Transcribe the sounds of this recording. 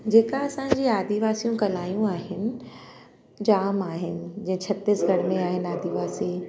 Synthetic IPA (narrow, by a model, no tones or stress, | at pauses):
d͡ʑeːkaɐsãːɲd͡ʑiːaːd̪ʱiʋaːsijũkɐlaːijũaːɦɪnɪ̆ | d͡ʑaːmaːɦɪnɪ̆d͡ʑɐ̃ɦɪ̃t͡ɕʰɐt̪ɪsɡʱɐɽ̤mẽaːɦɪn̆aːd̪ʱiʋaːsiː